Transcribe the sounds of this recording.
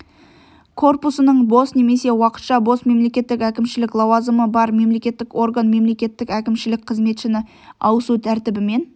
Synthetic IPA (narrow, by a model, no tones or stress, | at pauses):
kʰo̞rpusənəɴbo̞sne̞me̞se̞wɑqə̥t̪ʃɑbo̞sme̞mle̞kʲe̞t̪ːɪkʲækʲɪmʃɪlɪklˠɑwɑzəməbɑɾme̞mle̞kʲe̞t̪ːɪko̞ɾɡanme̞mle̞kʲe̞t̪ːɪkʲækʲɪmʃɪlɪk̚qʰəzme̞t̪ʃɪnɪ | ɑwəsut̪ʰæɾt̪ɪbɪme̞n